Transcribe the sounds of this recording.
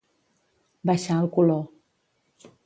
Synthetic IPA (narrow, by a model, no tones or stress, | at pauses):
baʃãlkolɔ